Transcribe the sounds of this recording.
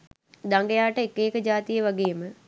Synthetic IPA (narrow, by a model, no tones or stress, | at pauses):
d̪aŋɡejaːʈəekːeːkəd͡ʒaːt̪ijəʋaɡeːəmə